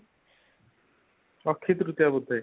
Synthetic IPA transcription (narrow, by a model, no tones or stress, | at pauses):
ɔkʰːit̪ɾut̪jabud̪ʱːa